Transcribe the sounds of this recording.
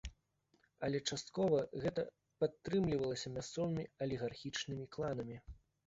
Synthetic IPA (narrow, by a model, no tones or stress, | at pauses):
ɐlʲɛt͡ʂast̪̚kɔvɐɣɛt̪ɐ | pat̪ːɾɨmlʲivɐlˠɐsʲɐmʲast̪sɔvɨmʲiɐlʲiɣarxʲit͡ʂnɨmʲiklˠan̪ɐmʲi